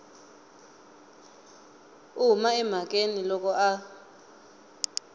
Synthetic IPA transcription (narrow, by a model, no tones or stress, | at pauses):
umaɛm̤ak̬ʼenilɔk̬ʼɔʔa